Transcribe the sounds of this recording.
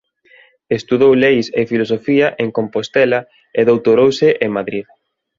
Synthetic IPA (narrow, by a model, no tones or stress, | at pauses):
est̪uðowlejsefilosofiɐʔeŋkompost̪ɛlɐ | eðowt̪oɾowsɪʔeŋmaðɾið